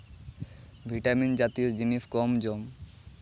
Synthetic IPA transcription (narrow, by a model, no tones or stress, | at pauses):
bʱiʈamind͡ʑat̪iod͡ʑinipkɔmd͡ʑom